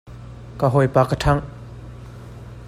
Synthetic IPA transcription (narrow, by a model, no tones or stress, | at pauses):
kaɦɔjpaːkətʰaŋ